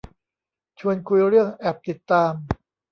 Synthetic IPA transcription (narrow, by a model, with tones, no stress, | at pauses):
t͡ɕʰu˧ənkʰu˧jɾɯ˥˩əŋʔɛ˨˩p̚t̪i˨˩t̪ːaː˧m